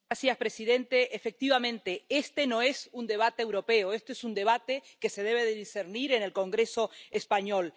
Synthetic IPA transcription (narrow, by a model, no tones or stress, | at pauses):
asjaspɾesiðẽ̞nt̪eʔːfe̞k̚t̪iβamẽ̞nt̪e̞est̪e̞no̞e̞sund̪e̞β̞at̪eːwɾo̞pe̞oest̪eesund̪e̞β̞at̪e̞ke̞se̞ðe̞βe̞ðeðiseɾniɾe̞ne̞lko̞ŋɡɾe̞so̞espaɲo̞l